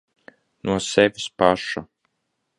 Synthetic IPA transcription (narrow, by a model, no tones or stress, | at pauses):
nuɔsɛvʲispaʃu